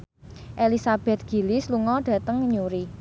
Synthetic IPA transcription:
ʔelisab̥ɛ̤t̪̚ɡ̥i̤lɪsluŋɔɖ̥ä̤t̪əŋɲuɾi

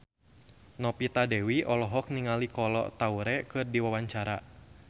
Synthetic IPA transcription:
nɔpit̪adɛwiʔɔlɔɦɔk̚niŋalikɔlɔ̰t̪auɾɛkɨrdiwawaɲt͡ʃaɾa

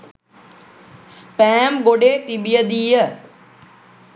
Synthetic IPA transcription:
spɛ̃ːmɡoːɖet̪iɓijəd̪iːə

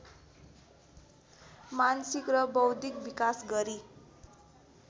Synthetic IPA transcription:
mansikrʌbʌwd̪ikbikasɡʌɾi

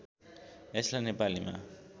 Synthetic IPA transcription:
eslanepalima̰

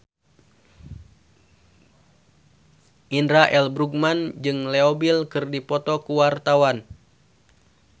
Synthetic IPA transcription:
ʔindɾaʔɛlbɾuɡ̚mand͡ʒɨŋlɛobilkɨrdipɔt̪ɔkuwart̪awan

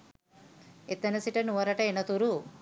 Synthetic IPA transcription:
et̪ːɐnɐsiʈɐnuɐɾɐʈɐenɐt̪uɾu

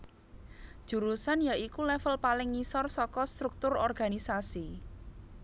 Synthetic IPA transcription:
ʒ̥ṳɾusanjaikulɛfəlpalɪŋːisɔrsɔkɔst̪ɾuk̚t̪ʊrɔrɡ̥a̤nisasi

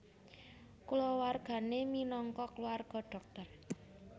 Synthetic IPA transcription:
kulɔwarɡ̥a̤neminɔŋkɔkluarɡ̥ɔ̤ɖ̥ɔ̤k̚t̪ɔr

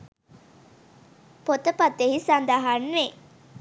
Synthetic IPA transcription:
pot̪əpat̪eɦisand̪aɦanʋe

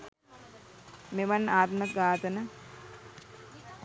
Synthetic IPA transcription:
meʋanːaːt̪mək̚ɡaːt̪ənə

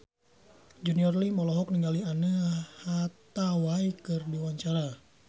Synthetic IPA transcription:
d͡ʒuniɔrlimɔlɔɦɔk̚niŋɡalianəhat̪awajkɨrdiwaɲt͡ʃaɾa

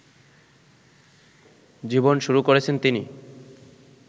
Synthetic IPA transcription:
d͡ʑibonʃuɾukoɾet͡ɕʰent̪ini

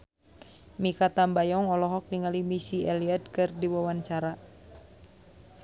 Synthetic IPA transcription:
mikat̪ambajɔŋɔlɔɦɔk̚niŋalimisiɛliadkɨrdiwawant͡ʃaɾa

